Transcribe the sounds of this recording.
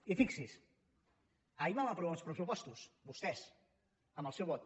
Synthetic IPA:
ifiksis | aimamapɾuβanˠspɾəsupɔst̪usbust̪ɛs | əmbəlˠsɛwβɔt̪

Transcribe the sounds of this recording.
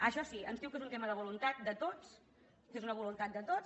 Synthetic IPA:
əʃɔsiəmzðiwkezunt̪eməðəβulunt̪at̪̚d̪ət̪ot͡s | kezunəβ̞ulunt̪at̪̚d̪ət̪ot͡s

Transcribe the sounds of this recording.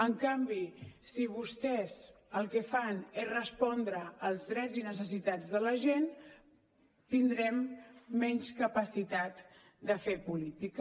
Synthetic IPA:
əŋkambisiβ̞ust̪ɛz | əlˠkəfanesrəspɔnd̪ɾəːlˠzðɾɛzinəs̬əs̬it̪ad͡zðələʒen | t̪ind̪ɾɛmːɛɲskəpəsit̪at̪ | d̪əfepulit̪ik

